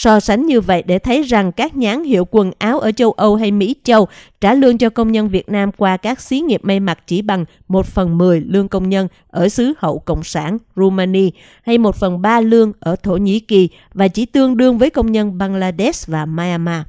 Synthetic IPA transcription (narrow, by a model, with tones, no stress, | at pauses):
sɔ˧sa˨˦jŋ̟ɲɨ˧və̰˧˨jɗe˧˩t̪ʰə˨˦jza˨˩ŋkaː˦˥k̚ɲaː˨˦ŋhḭ˧˨əwkwə˨˩nʔaː˨˦wʔəː˧˩t͡ɕə˧wʔə˧wɦa˧jmḭ˧˥t͡ɕə˧wt͡ɕaː˧˩lɨ˧əŋt͡ɕɔ˧kə˧wŋ͡mɲə˧nvi˨˩ət̚naː˧mkwaː˧kaː˦˥k̚si˨˦ŋi˨˩əp̚ma˧jma˨˩t̚t͡ɕi˧˩ɓa˨˩ŋ | mo˨˩t̚fə˨˩nmɨ˨˩əjlɨ˧əŋkə˧wŋ͡mɲə˧n | ʔəː˧˩sɨ˨˦hə̰˧˨wkə̰˧˨wŋ͡msaː˧˩nzu˧maː˧ni˧ | ha˧jmo˨˩t̚fə˨˩nɓaː˧lɨ˧əŋʔəː˧˩t̪ʰo˧˩ɲḭ˧˥ki˨˩ | vaː˨˩t͡ɕi˧˩t̪ɨ˧əŋɗɨ˧əŋvəː˨˦jkə˧wŋ͡mɲə˧nɓaː˧ŋlaː˧ɗe˦˥svaː˨˩maː˧a˧maː˧